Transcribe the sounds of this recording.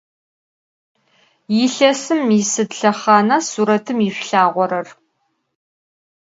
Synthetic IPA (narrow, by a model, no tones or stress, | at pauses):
jɪɬɐsɨmisɨdɬɐχɑːnɐsuːɾɐtʰɨmiɕʷɬaːʁʷɔɾɐr